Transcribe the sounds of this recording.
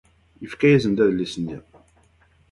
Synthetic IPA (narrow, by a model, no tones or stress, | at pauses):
jəfkæjæzənd̪æðlːisənːḭ